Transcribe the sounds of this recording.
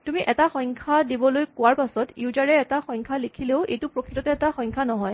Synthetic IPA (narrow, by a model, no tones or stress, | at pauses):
tumiʔɛtaxɔjŋkʰadibɔlojkʊwaɹpasɔtjiuʊzaɹɛːtaxɔjŋkʰalikʰileʊḛjtʊpɹokʰitɔtɛɛtaxɔjŋkʰanɔɦɔj